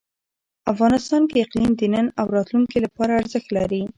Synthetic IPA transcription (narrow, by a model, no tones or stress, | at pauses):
afɣɑnɪst̪ɑnkeɪqlimd̪ənənawɾɑt̪luŋkilapɑɾaːɾzəxt̪laɾi